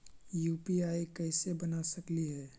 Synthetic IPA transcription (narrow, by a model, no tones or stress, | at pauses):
juːpiaːikəɪsebənasəkliɦɛː